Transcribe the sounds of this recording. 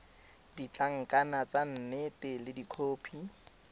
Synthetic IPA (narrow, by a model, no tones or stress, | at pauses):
dit͡ɬʼaŋ̩kʼanat͡san̩netɪlɪdikʰoːpʰi